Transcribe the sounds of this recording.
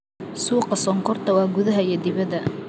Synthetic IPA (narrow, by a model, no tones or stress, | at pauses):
suːqɑsɔːŋkʰɔrt̪ʰɐwɑːɡʊðɐɦɐiɛd̪ɪβɐðɐ